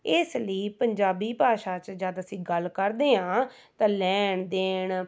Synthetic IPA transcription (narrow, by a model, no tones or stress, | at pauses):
ɪsləiːpəɲd͡ʒaːbiːpaːʃaːt͡ʃd͡ʒaːd̪əsĩːɡəlkəɾd̪eːɦãː | t̪ãːlɛːɳd̪eːɳ